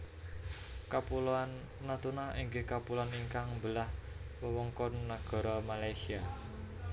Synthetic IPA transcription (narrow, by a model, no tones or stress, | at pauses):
kapulanː | at̪unaʔiŋɡekapulaniŋkaŋmbəlahwəwɔŋkɔnːaɡ̥ɔ̤ɾɔmalajsia